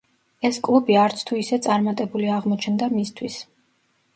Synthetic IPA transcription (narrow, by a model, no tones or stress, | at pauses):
ɛskʼlˠubiaɾt̪sʰt̪ʰuisɛt̪sʼaɾmat̪ʼɛbuliaʁmɔt͡ʃʰɛnd̪amist̪ʰwis